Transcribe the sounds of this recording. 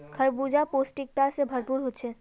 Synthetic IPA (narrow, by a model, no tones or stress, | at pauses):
kʰəɾbuːd͡ʒapoːsʈɪk̚ʈ̪asebʱɐɾpuːɾɦoʃʰeː